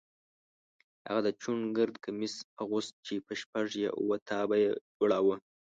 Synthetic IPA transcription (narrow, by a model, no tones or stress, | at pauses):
ha̰ɣad̪ət͡ʃunɡəɾd̪kamɪsaɣust̪̚t͡ʃepəʃpaʐja̰ʔṵwat̪ʰɑbajed͡ʒoɽawə